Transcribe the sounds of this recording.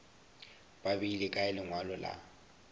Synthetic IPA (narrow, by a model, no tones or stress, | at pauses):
bʼabilɪkʼaɛlɪŋwalɔla̰